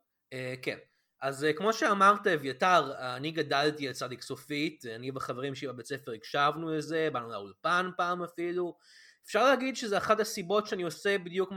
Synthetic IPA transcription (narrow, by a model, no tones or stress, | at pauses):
ekḛn | ʔazkmo̞ʃeamaʁtavjataʁaniɡadaltielt͡sad̪iksofitanibaχaveʁimʃibabet͡sefeʁiɡʃavnulezebanulaulpanpaːmafilu | efʃaʁlehaɡid̪ʃezeaχatasibo̞tʃeaniosebid̪jukm